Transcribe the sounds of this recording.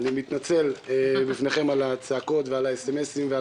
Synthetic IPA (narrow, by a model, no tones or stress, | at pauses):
nimit̪nat͡se̞lebifne̞χe̞malat͡saːko̞t̪vealaeseme̞simvea